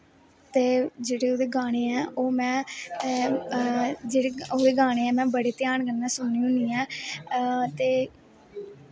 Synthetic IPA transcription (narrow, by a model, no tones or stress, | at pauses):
t̪eːd͡ʒeːɽeːoːd̪eːɡaːɽ̃eːɛːʔoːmɛ̃ː | d͡ʒeːɽeːoːd̪eːɡaːɽ̃eːɛːmɛ̃ːbəɽeːt̪ɪjaːɳkənːaːsʊnniːɦʊ̃niːɛː | t̪eː